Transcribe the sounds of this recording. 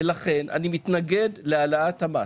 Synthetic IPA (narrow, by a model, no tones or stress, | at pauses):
laχe̞nʔa̰nimit̪naɡe̞d̪lealaat̪hama